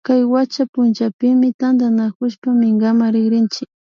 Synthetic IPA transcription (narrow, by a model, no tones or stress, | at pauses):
kajwat͡ʃapʊnt͡ʃapɪmɪt̪and̪anakʊʃpamɪŋɡamaɾɪɡɾɪnt͡ʃɪk̚